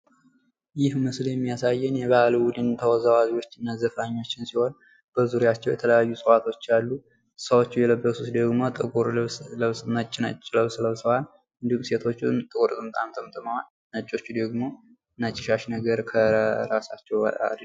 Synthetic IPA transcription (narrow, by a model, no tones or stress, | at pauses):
jɪhmɨsljɛmːijasajːɨnjɛβahaluwʊd̪ɨnt̪ʰəwazawaziwo̞t͡ʃːɨnːazəfaɲːo̞t͡ʃːɪnsiho̞n | b̥əzuɾijat͡ʃːɛwjɛt̪ʰələjajːusʼəwat̪ʰo̞t͡ʃːjalːu | səwo̞t͡ʃːujɛləbːəsut̪d̪əɡmo̞t̪ʼəɡoɾsləβsnət͡ʃʼːɪnət͡ʃʼːləβsləβsəwal | ʔɨnd̪ihumse̞t̪ʰo̞t͡ʃːunt̪ʼɨkʼɾt̪ʼɨmt̪ʼamt̪ʰəmt̪ʼəmawal | nət͡ʃʼːo̞t͡ʃːud̪əɡmo̞ | nat͡ʃʼːɪʃaʃnəɡəɾkʰəɾasat͡ʃːɛw̰a̰d̪